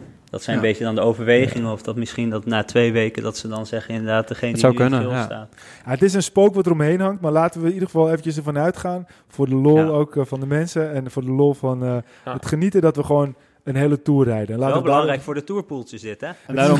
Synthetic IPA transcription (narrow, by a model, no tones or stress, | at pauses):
d̥ɔtsɛjəbeədɔndəowvəɹʋejχɪŋənɔfd̥ɑtmɪsχindɔtnaːtʋejʋejkədɑtsədɑnzɛχənɪndəɹdaːt̚dəχejnəisawkønnəlsta̰ːt | jaətɪs̬ənspowkʋɔtərɔmɦejnɦɑŋtmaːɹlaːtənʋənidəχəfɑlˠeːvəntjəs̬əvɔnœɥtχaːn | fʊːɹdəlolˠowkfɑndəmɛnsəɛnfʊːɹdəloːlˠfɔnə | hətχənitədɔtʋəχʋown | ənɦeːlətuːərːɛjdənɛnlaːtəəbəlɑŋrɛjkfʊːɹdətuːɹpulˠsɪsdɪtɛdaː